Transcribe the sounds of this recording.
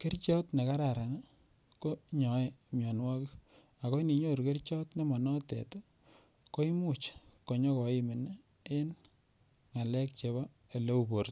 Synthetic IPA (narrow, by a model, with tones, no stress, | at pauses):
ke˦rt͡ʃɔ˦tne˨ka˦ɾa˨ɾa˨na˦ | ko˦ɲɔ˨e˦mjɔ˨nwa˦ki˦ | a˨ko˦ni˨ɲo˦ɾke˦rt͡ʃɔ˦tne˦mɔ˨nɔ˦tɛ̰˨to˦ | ko˦i˦mu˦˨t͡ʃko˨ɲɔ˦kɔ˨i˦mi˨ne˦ | e˦n | ŋa˨lɛ˦k̚t͡ʃe˨βa˦ | e˨le˦u˨bo˨ɾt